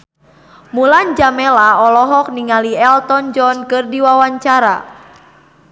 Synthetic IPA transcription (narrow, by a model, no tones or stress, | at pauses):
muland͡ʒamɛlaɔlɔɦɔk̚niŋaliɛlt̪ɔnd͡ʒɔnkɨrdiwawaɲt͡ʃaɾa̰